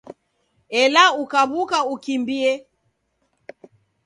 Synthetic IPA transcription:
ɛlaukaβukaukimbiɛ

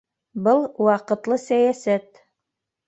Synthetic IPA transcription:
bɤlˠwɑqɤ̆t̪lˠɤsæjæsæt̪

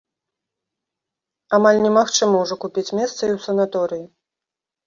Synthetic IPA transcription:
amalʲnʲɛmaxt͡ʂɨmɐwʐɔkupʲit͡sʲmʲɛst̪sɐiwsɐnat̪ɔɾɨji

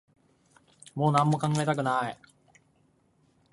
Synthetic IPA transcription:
mo̞ːnãmːo̞kãŋɡaet̪akɯ̟nai

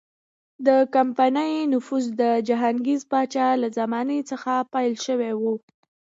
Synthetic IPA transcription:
d̪əkampanəjnʊfuzd̪əd͡ʒaɦaŋɡizpɑt͡ʃɑlazamɑnit͡səxapajlʃəwewu

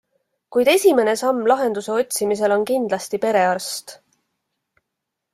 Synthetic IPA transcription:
kujd̪e̞sʲime̞ne̞sɑmːlɑɦe̞nd̪̥use̞o̞t̪̚ʲsimis̬e̞lo̞nkind̪̥lɑst̪ipe̞ɾe̞ɑrst̪

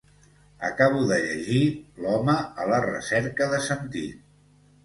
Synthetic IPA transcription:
ə̰kaβ̞uðəʎəʒilɔməələrə̰sɛɾkəðəsənt̪ḭ

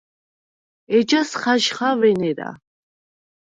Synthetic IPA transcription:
ɛd͡ʒasχaʃχavɛnɛɾa̰

